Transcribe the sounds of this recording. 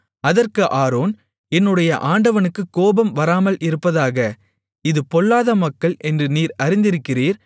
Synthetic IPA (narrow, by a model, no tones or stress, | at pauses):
ɐðɐrkɯʔaːɾoːn | ɛnːɯɽɐjɐʔaːɳɖɐʋɐnɯkːɯkːoːbɐmʋɐɾaːmɐlɪɾɯpːɐðaːɣɐ | ɪðɯpɔɭːaːðɐmɐkːɐɭʔɛndrɯniːɾɐɾɪnd̪ɪɾɯkːɪriːɾ